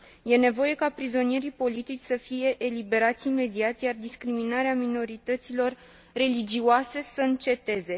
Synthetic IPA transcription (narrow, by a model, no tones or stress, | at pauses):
je̞ne̞vo̞je̞kapɾizo̞nije̞ɾipo̞lit̪it͡ʃʲsəfije̞ʔːlibe̞ɾat̪sʲime̞d̪iat̪jard̪iskɾiminaɾeamino̞ɾit̪ət̪silo̞rː | e̞lid͡ʒioase̞səɨnt͡ʃe̞t̪e̞ze̞